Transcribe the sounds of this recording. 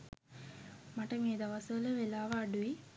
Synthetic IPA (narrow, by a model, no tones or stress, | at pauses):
maʈəmeːd̪aʋasələʋelaːʋaːɖui